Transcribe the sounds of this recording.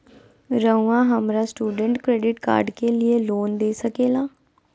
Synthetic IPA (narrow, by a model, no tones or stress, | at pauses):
ɾəuãːɦəmɾaːsʈuːɖəɳʈkɾeːɖɪʈka̰ːɾɖkeːlɪeːloːnd̪eːsəkeːlaː